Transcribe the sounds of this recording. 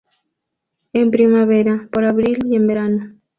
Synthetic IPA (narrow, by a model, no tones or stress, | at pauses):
empɾimaβeɾapoɾaβɾiliembeɾano